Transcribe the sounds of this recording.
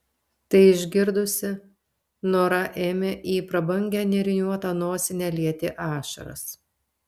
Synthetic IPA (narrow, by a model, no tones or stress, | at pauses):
t̪ɐɪɪʒʲɡʲɪɾd̪ʊsʲɪ | noːɾɐʔeːmʲeːʔiːpɾɐbɐŋʲɡʲɛːnʲɛɾʲɪnʲuɔt̪ɐnoːsʲɪnʲæːlʲiɛt̪ʲɪʔɑːʃɐ̰ɾɐ̰s